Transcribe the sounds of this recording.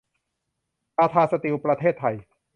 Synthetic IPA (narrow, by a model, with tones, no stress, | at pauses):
ʔaː˧t̪ʰaː˧sa˧t̪i˧wpɾa˧t̪ʰeː˥˩t̪ʰːa˧j